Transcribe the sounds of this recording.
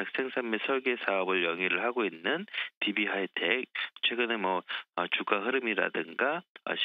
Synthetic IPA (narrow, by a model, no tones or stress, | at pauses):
tak̚s͈eŋsʰamesʰʌɭɡe̞sʰaʌbɯɭjʌŋiɾɯɭhaɡoinːɯntibiɦaitʰek̚t͡ɕʰwe̞ɡɯnemʌʌt͡ɕuɡaɦɯɾɯmiɾa̰dɯŋɡaʌ̰ɕ